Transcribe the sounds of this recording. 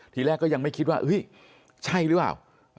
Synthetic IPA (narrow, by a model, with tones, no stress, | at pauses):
t̪ʰiː˧˩lɛː˥˩kːɔː˥˩ja˧ŋma˥˩jkʰi˦t̪̚waː˥˩ʔɯ˦˥j | t͡ɕʰa˥˩jɾɯ˨˦˥plaː˨˩w